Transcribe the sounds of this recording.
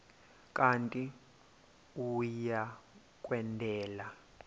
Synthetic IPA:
kʼantʼi | uja | kʼwɛndʱɛːla

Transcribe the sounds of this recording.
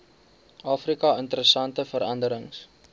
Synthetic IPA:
ʔɑːfrikɐəntəɾəsɐntəfəɾɐndəɾəŋs

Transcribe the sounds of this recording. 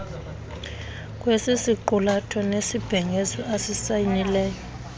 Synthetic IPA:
kʼwesisiǃulatʰɔnesib̥ʱɛŋʱezɔasisajinilɛːjɔ

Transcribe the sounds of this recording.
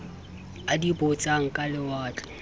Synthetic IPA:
adibʊt͡sʼaŋ̩kʼalɪwaːt͡ɬʼɛ̥

